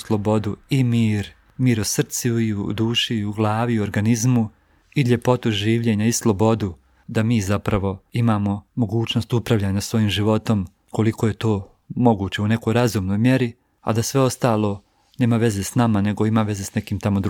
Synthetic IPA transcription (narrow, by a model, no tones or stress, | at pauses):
slˠo̞bo̞d̪uimiːɾ | miːɾusr̩t̪siiud̪uːʃiuɡlˠaːʋioɾɡanizmu | iʎe̞po̞t̪uʒiːʋʎeːɲaislˠo̞bo̞d̪u | d̪amiːzapɾaʋo̞imaːmo̞mo̞ɡuːt͡ɕno̞st̪upɾaʋʎaːɲasʋo̞jiːmʒiʋo̞t̪o̞m | ko̞likoje̞t̪o̞ː | mo̞ɡuːt͡ɕe̞une̞ko̞ːjɾazuːmno̞jmje̞ɾi | a̰d̪asʋe̞o̞st̪aːlˠo̞ː | ne̞ːmaʋe̞ze̞ːsnamane̞ɡo̞imaʋe̞zeːsne̞kiːmt̪amo̞d̪ɾ